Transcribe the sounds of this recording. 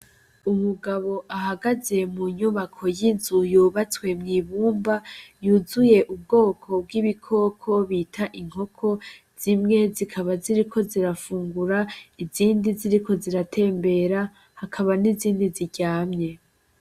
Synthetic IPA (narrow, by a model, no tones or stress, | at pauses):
umuɡaβo̞ʔaɦaɡaze̞muɲuβakʰo̞jinzujuβat͡swe̞mŋiːβuːmbajuzuje̞ʔub̚ɡo̞ːkʰo̞b̚ɡiβikʰo̞ːkʰo̞βitʰaʔiŋ̥ho̞kʰo̞ | z̥imŋe̞zikʰaβaziɾikʰo̞ziɾafuːŋɡuɾaiziːndiziɾikʰo̞ziɾatʰe̞ːmbe̞ɾa | hakʰaβaniziːndiziɟaːmɲe̞